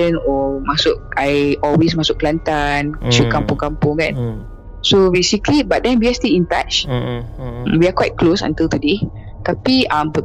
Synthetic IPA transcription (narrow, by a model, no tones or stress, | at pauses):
ə̃nɔmasʊʔ̚ajɔlwes̬masʊʔklant̪anʃukãmpũŋkãmpũŋkãn | sobesiklibaʔt̚dɛ̃nwiasteĩntat͡ʃ | wiakwajt̚klosã̰nt̪ilt̪ude | t̪apiãmp